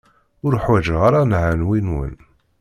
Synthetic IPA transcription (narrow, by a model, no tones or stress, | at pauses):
ʊɾħwæd͡ʒʁaɾanʕanwinwə̰n